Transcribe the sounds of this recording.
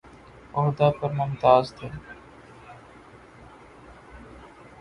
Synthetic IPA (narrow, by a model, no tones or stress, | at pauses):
ɔɦd̪aːd̪̚pəɾmʊnt̪aːzt̪ʰe